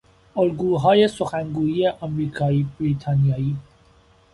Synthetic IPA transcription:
olɡuːɦɒːje̞soxæŋɡuːjiːjeʔɒmɾiːkʰɒːiːbɾiːt̪ʰɑːnijɒːiː

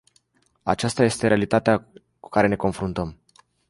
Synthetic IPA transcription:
a̰t͡ʃast̪aje̞st̪e̞ɾealit̪at̪ea | ku̥kaɾe̞ne̞ko̞nfɾunt̪əm

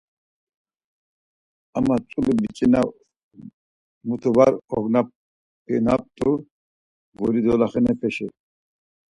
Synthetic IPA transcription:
amat͡sʼulubit͡ʃʼina | mut̪ʰubaɾɔɡnap | pʰɛnap̚t̪ʼu | ɡɔɾid̪ɔlaχɛnɛpʰɛʃɛ

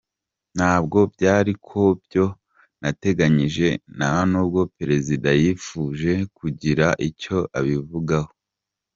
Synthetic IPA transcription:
n̥haːbɡo̞bɟaːɾikʰo̞bjo̞ | nate̞ɡaɲiʒe̞nahonuːbɡo̞peɾe̞zidajifuːʒe̞kuɟiɾaʔico̞ʔaβivuɡaho̞

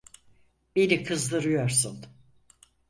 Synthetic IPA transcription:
benikʰɯzd̪ɯɾɯjo̞ɾsun

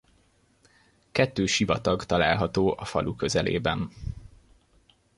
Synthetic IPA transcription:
kɛt̪ːøːʃivɒt̪ɒɡt̪ɒlaːlɦɒt̪oːʔɒfɒlʔukø̞zɛlḛːbɛn

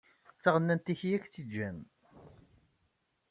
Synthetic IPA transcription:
t͡sːəʁənːænt̪içjækt͡sːid͡ʒːæm

